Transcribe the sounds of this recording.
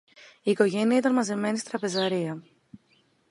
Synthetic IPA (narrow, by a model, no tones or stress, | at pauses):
iːko̞ʝe̞niɐit̪ɐnmɐze̞me̞nist̪ɾɐpe̞zɐɾiɐ